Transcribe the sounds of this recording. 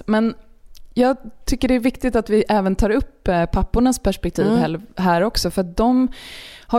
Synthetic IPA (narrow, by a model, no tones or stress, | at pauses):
mɛnjɑːɡt̪ʰʏkːəɖɛæɾvɪkt̪ɪt̪at̪vɪʔɛːvənt̪ʰɑːɾɵpːpʰːapːʊɳaspʰæʂpɛk̚t̪ʰiːvɛɦæːɾɔksɔfœɾat̪̚d̪ɔmha